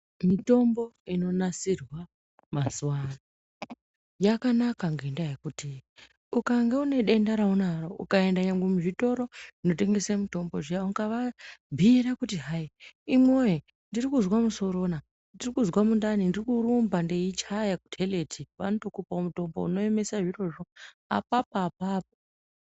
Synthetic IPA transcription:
mito̞mbo̞ino̞nasirwa | mazuwana | jakanakaŋɡendajekuti | ukaŋɡeune̞ɗe̞ndaɾaunaroukae̞ndaɲaŋɡwemuʐito̞ɾo̞ino̞t̬e̞ŋɡe̞samito̞mboʐauɡaʋabʱiɾakutiɦaiimwoje | ndirikuzwamuso̞ɾo̞na | ndirikuzwamundanindirikuɾumbandeit͡ʃajaku̥tʰele̞tʰiʋanotokupaomuto̞mbo̰ṵno̞e̞me̞saʐiro̞ʐo̞ | a̰p̚apaːpaːp̚o

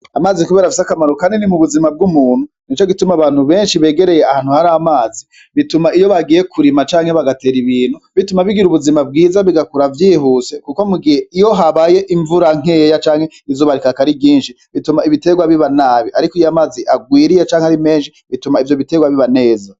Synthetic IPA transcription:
amaːzikuβeːɾafisakamaɾokaːndinimuβuzimab̚ɡumuːn̥hu | nit͡ʃoɡitumaβaːn̥huβe̞ːnʃiβe̞ːɡe̞ɾe̞jeahaːn̥uhaɾamaːzi | βitumaijo̞βaɡije̞kʰuɾimat͡ʃaːŋhe̞βaɡate̞ːɾiβiːn̥huβitumaβiɡiɾuβuzimab̚ɡiːzaβiɡakuɾavjiːɦuse̞kuko̞muɡiheijo̞ɦaβaje̞ʔiɱvuɾaŋ̥eːjat͡ʃaːŋhe̞ | izoːβaɾikakaɾibɟiːnʃi | βitumaiβite̞ɡwaβiβanaːβiʔaɾikijoamaːziʔaɡwiːɾijat͡ʃaːŋehaɾime̞ːnʃiβitumaivjo̞βite̞ɡwaβiβane̞ːza

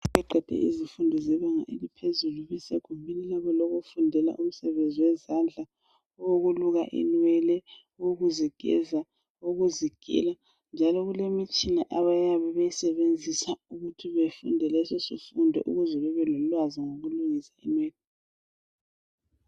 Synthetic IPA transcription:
βɛǃʱɛd̥ʱɛ̰ʔḭzifundʱɔzɛβaŋa̰ʔelipʰezuluβisɛɣumbʱinilaβɔlɔɣofundʱɛla̰ʔum̩sɛβend͡zʱiwɛzand͡ɮʱa | woɣuluɣa̰ʔɛ̰nwɛlɛ | woɣuziɡ̥ʱɛ̰za | oɣuziɡ̥ʱḭla | nd͡ʒʱalɔɣulemit͡ʃʼina̰ʔaβajaβɛβajisɛβend͡zʱisauɣutʰiβefṵndʱɛlɛsɔsḭfundʱɔ̰ʔṵɣuzɛβɛβɛlɔlwaziŋoɣuluŋisainwɛːlɛ

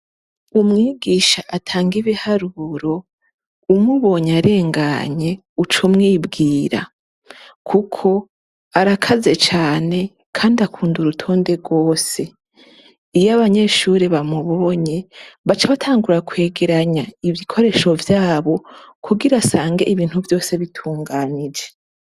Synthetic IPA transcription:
umŋiːɡiːʃaʔatʰaːŋɡiβihaɾuɾo̞ | umuβo̞ːɲaɾe̞ːŋɡaɲe̞ | ut͡ʃomŋiːbɡiːɾa̰ | kʰukʰo̞ | aɾakʰaze̞t͡ʃaːne̞ | kʰaːndiakʰuːnduɾutʰo̞ːnde̞ɾɡwo̞ːse̞ | ijaβaɲe̞ʃuːɾeβamuβo̞ɲe̞βat͡ʃaβatʰaːŋɡuɾakwe̞ːɡeɾaɲaivjikʰo̞ɾe̞ːʃo̞vjaːβo̞kʰuɡiɾasaːŋɡe̞ʔiβiːn̥huvjo̞ːse̞βitʰuːŋɡaːnid͡ʒe̞

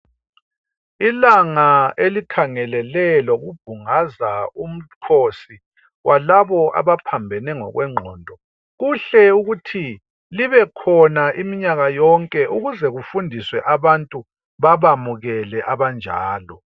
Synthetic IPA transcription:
ilaŋaelikʰaŋɛlɛlɛloɣub̥̚ʱuŋazaum̩kʰosi | ɣwʔalaβɔʔa̰βapʰambʱɛnɛŋɔ̰ɣwɛŋ͡ǃʱɔ̰ːndʱɔ | ɣuɬɛuɣutʰi | liβɛkʰɔnaʔimiɲaɣajɔŋkʼɛʔuɣuzɛɣufundʱiswɛʔaβantʼu | βaβamuɣɛlɛʔaβand͡ʒʱa̰ːlɔ

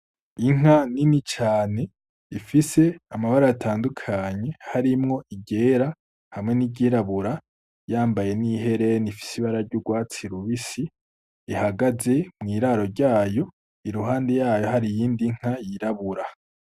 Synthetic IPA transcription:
iŋ̥aninit͡ʃaːne̞ | ifise̞amaβaɾajatʰaːndukʰaɲe̞haɾimŋo̞iɟe̞ːɾa | hamŋeniɟiɾaβuɾa | jaːmbaje̞niɦe̞ɾe̞nifi̥siβaɾaɾɟuɡwaːt͡siɾuβisi | ihaɡaze̞mŋiːɾaɾo̞ɾɟaːjo̞ | iɾuɦaːnde̞jaːjo̞ɦaɾijiːndiŋ̥ajiɾaβuɾa

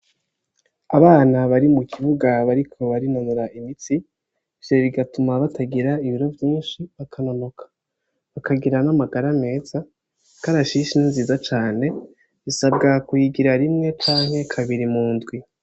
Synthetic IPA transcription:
aβaːnaβaɾimukʰiβuɡaβaɾikʰo̞βaɾinanuɾaʔimiti | seβiɡatumaβatʰaɡiɾaiβiɾo̞vjiːnʃiβakʰanamukʰḁ | βakaɡiɾanamaɡaɾame̞ːza | kaɾaʃiʃininziːzat͡ʃaːne̞ | βisabɡakuiɡiɾaɾimŋe̞t͡ʃaːŋ̥he̞kʰaβiɾimuːndɡwi

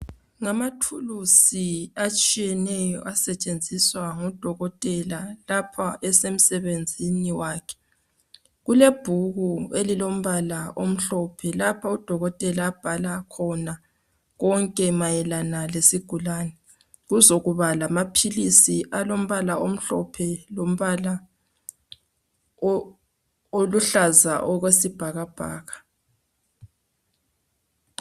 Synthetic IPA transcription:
ŋamatʰulusiat͡ʃʼijɛnɛjɔ̰ʔasɛt͡ʃʼend͡zʱiswaŋɔd̥ʱɔɣɔtʼɛlalapʰaʔɛsem̩sɛβend͡zʱiniwaːkʰɛ̥ | ɣuleb̥ʱuɣuelilom̩βalaom̩ɬɔpʰɛlapʰaud̥ʱɔɣɔtʼɛlaːb̥ʱalakʰɔna | ɣɔŋkʼɛmajɛlanalesiɡ̥ʱulaːnɛ | ɣuzoɣuβalamapʰilisiʔalom̩βalaʔom̩ɬɔpʰɛlom̩βala | oluɬazaʔɔɣwesib̥ʱaɣab̥ʱa̰ːɣḁ

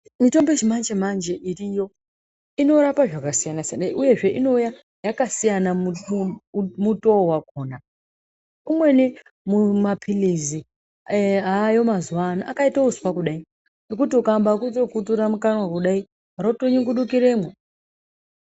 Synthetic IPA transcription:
mito̞mbet͡ʃimand͡ʒemand͡ʒeʔirijo̞ | ino̞ɾapaʐakasijanasanaiʔuje̞ʐe̞ʔino̞uja | jakasijana | muto̞wakoːna | umwe̞ni | mumapʰilizi | ɦajo̞mazuwanaʔakaitauzu̥pakuɗai | nok̬utiukambakuto̞kutuɾamukanwakuɗai | aɾotoɲiŋɡuɗukiɾe̞ːmwe

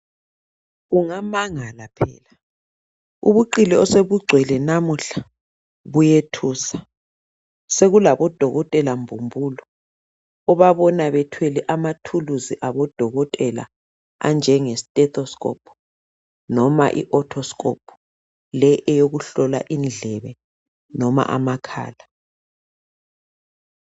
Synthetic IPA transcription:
ɣuŋamaŋalapʰɛ̰ːla | ṵβuǃilɛɔseβuɡ͡ǀʱwɛlɛnamuɬa | βujetʰuːsa | seɣulaβɔd̥ʱɔɣɔtʼɛlambʱumbʱuːlɔː | βaβɔnaβɛtʰwelɛʔamatʰuluziʔaβɔd̥ʱɔɣɔtʼɛla̰ | a̰nd͡ʒʱɛŋɛsitʼɛtʰɔskʼɔ̰pʰɔ | nɔma̰ʔḭʔɔtʰɔskʼɔ̰pʰu̥ | lɛʔɛjoɣuɬɔla̰ʔind͡ɮʱɛβɛ | nɔma̰ʔa̰makʰa̰ːla

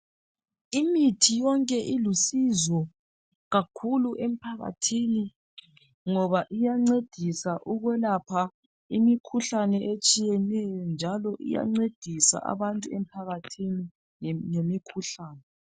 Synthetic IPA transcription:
imitʰijɔŋkʼɛʔilusizɔ | ɣakʰuluʔem̩pʰaɣa̰tʰini | ŋɔβaʔijaŋ͡ǀed̥ʱisaʔuɣwɛlapʰa | imikʰuɬanɛʔet͡ʃʼijɛnɛjɔnd͡ʒʱalɔʔḭja̰ŋ͡ǀed̥ʱisa̰ʔa̰βantʼuem̩pʰaɣatʰini | ŋemikʰuɬaːnɛ

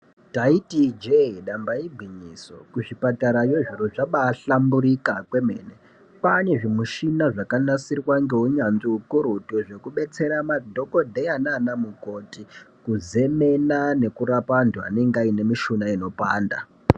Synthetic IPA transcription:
taitid͡ʒeiɗambaibʱiɲiːso̰kuʐipataɾajoʐiɾuʐaɓaːɬambuɾikakwe̞me̞̰ːne | pane̞ʐimuʃinaʐakanasirwaŋɡe̞ɦuɲanʐiukuɾutuʐe̞kuɓe̞t͡se̞ɾamadʱo̞ko̞dʱejananamukotikuze̞me̞nane̞kuɾapandua̰ne̞ŋɡeaine̞miʃunaino̞paːnda̰

